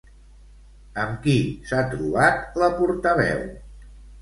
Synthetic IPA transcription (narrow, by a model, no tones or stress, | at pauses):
əmkisat̪ɾuβat̪ləpuɾt̪əβɛ̰w